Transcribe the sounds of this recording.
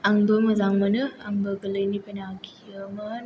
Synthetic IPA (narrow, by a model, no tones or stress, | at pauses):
aŋd̪oməzaŋmənəhaŋbəkələinipənaɡiəmən